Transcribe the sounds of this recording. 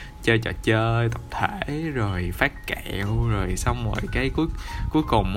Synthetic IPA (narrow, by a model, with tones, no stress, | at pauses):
t͡ɕəː˧jt͡ɕɔ˧˩t͡ɕəː˧t̪ə˨˩wk͡p̚t̪ʰeː˧˩zo˨˩jfaː˦˥t̚kɛ˧˩˨wzo˨˩jsa˧wŋ͡mmə̰ː˨˩jkaː˨˦jku˨˦əjku˨˦əjkʊ˨˩ŋ͡m